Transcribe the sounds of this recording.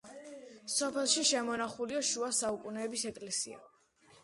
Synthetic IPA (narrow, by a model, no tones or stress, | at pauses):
sɔpʰɛlˠʃiʃɛmɔnaχuliaʃuasaukʼunɛːbisɛkʼlɛsia̰